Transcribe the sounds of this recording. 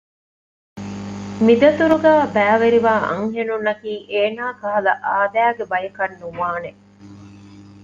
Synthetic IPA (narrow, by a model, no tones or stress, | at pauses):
mid̪ɐt̪uɾuɡæːbæːʋeɾiʋaːʔɐ̰ŋɦenunːɐkiːʔeːnaːkɐɦɐlɐʔaːd̪æːɡebɐjɐkɐnːuʋaːne